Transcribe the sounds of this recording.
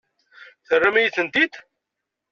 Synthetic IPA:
θərːamæjiθənt̪id̪

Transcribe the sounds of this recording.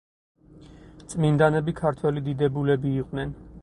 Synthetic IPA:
t̪sʼmind̪anɛbikʰaɾt̪ʰwɛlid̪id̪ɛbulɛbiːqʼwnɛn

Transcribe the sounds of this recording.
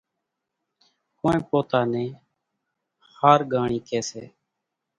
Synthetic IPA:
koːẽːpoːt̪aːnẽː | xaːɾɡaːɳiːkeːsḛː

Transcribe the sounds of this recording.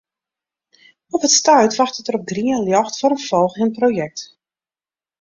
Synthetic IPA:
ɔpətstœɥtʋaxtətəɾɔp̚ɡriənljɔxtfɔɾənfɔlˠxɪənproːjɛk̚t

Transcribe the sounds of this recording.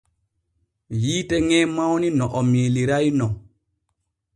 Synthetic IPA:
jiːtɛŋɛːmawninɔʔɔmiliɾajnɔ

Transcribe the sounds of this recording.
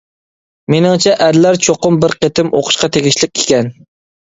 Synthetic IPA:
menɪŋt͡ʃʰɛʔæɾlæɾt͡ʃʰoqʊmbɪɾqʰet̪ʰɪmo̰qʰʊ̥ʃqɑt̪ʰeɡʲiʃlɪk̚ʲʰe̥kʲɛn

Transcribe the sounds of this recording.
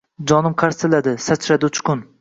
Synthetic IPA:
d͡ʒɒnɪmqʰaɾsɪlad̪ɪsat͡ʃʰɾad̪ɪʊt͡ʃʰkʊn

